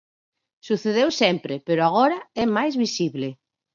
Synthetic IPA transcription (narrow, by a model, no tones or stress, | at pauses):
suθeðewsɛmpɾepeɾoaɣ̞ɔɾɐɛmajzβisiβle